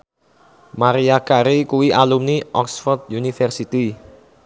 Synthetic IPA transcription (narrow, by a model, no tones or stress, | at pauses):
maɾiakaɾikuwiʔalumniʔɔksfɔrd̪junifɛrsit̪i